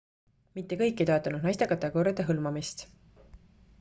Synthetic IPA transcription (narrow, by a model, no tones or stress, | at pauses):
mit̪ːe̞kɤjkˑːejt̪o̞et̪ːˑɑnud̪̥nɑjst̪ekɑt̪ːˑekoːɾjɑd̪̥e̞ɦɤlmɑmist̪